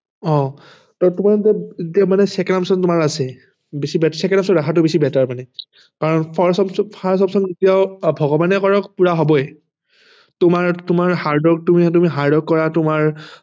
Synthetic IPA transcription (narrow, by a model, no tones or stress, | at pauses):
ɔ̃ | tɔtʊmaɹzɛetiaʊmanɛsɛkɛnamsɔntʊmaɹasɛ | bisibɛtsɛkɛnamsɔndakʰatʊbisibɛtaɹmanɛ | kaɹɔnpʰaɹsɔpspʰaɹsɔpsɔnetijaʊbʱɔɡɔbanɛkɔɹɔkpuɹaɦɔbɔj | tʊmaɹtʊmaɹhaɹdɔk̚tumit̬umiɦaɹdɔkːɔɹatʊmaɹ